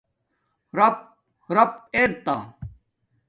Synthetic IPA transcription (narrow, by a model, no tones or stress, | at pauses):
ɾɐp̚ | ɾɐpeːɾt̪aː